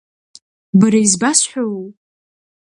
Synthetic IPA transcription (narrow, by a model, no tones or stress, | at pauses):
baɾaizbasħʷᶣow